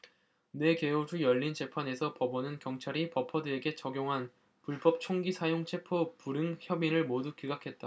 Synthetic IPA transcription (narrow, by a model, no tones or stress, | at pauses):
ne̞ke̞od͡ʑujʌʎːint͡ɕe̞pʰane̞sʰʌpʌbʌnɯnkjʌŋt͡ɕʰaɾipʌpʰʌdɯe̞ɡe̞t͡ɕʌɡjoŋɦan | puɭp͈ʌp̚t͡ɕʰoŋɡisʰajoŋt͡ɕʰe̞pʰopuɾɯŋçjʌbinɯɭmodukiɡakʰe̞t̚t͈a